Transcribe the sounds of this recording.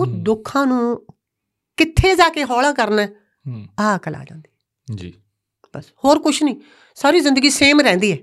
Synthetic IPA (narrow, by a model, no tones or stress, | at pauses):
ʊsd̪ʊkʰːãːnũː | kɪt̪ʰːeːzaːkeːɦɔːlãːkəɾnɛː | aːkəla̰ːd͡ʒã̰ːnd̪iːɛ | d͡ʒḭː | b̥əshoːɾkʊt͡ʃʰnĩː | saːɾiːzɪ̃nd̪əɡiːseːmɾɛ̃ːnd̪iːɛː